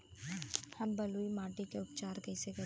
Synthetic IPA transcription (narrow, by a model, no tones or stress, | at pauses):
hɐmbɐluimaːʈikeʊpt͡ʃaːɾɡɐiseɡɐ